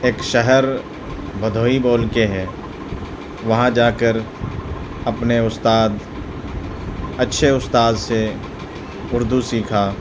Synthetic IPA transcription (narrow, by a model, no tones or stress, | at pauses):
eːkʃəɦɛɾ | bʱəd̪ʱoːiboːlkeɦɛ | ʋɐɦãd͡ʒaːkəɾ | ɐpneʊst̪aːd̪ | ɐtːʃʰeʊst̪aːd̪se | ʊɾd̪ʱusiːkʰaː